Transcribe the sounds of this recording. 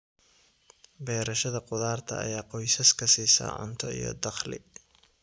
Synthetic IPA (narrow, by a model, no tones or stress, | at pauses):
bɛːɾɐʃɐðɐqʊðaːrt̪ʰɐ̰ʔɐ̰jaːqɔjsɐskʰɐsiːsɐ̰ːʕʊ̰nt̪ʰɔḭjɔ̰d̪ɑχlɪ̰